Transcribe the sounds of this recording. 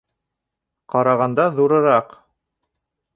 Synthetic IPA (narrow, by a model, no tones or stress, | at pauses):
qɑɾɑʁɑnd̪ɑðuɾɤ̆ɾɑq